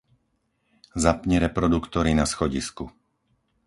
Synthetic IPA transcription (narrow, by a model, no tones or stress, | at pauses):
zapɲɛɾɛpɾɔd̪ukt̪ɔɾinasxɔɟisku